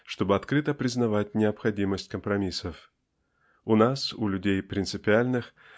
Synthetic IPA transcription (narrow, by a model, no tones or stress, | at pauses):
ʂt̪o̞bɨɐt̪kɾɨt̪əpɾʲɪznɐvatʲnʲɪɐpxɐdʲiməsʲtʲkəmpɾɐmʲisəf | ʊnasʊlʲʉdʲejpɾʲɪnt̪sɨpʲɪalʲnɨx